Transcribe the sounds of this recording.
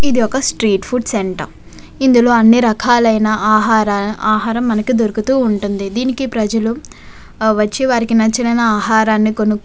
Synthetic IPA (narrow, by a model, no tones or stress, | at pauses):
id̪iɔkɐsʈɾiːʈpʰuɖseɳʈɐ̰ | ind̪ulo̞ːɐnːiɾɐkʰaːlɐjnɐʔaːɦaːɾaaːɦaːɾɐmːɐnɐkid̪oɾukut̪uːɳʈund̪id̪iːnikipɾɐd͡ʒɐlu | ʋɐt͡ʃːiʋaːɾikinɐt͡ʃːɐnɐjnɐaːɦaːɾaːnːikonuk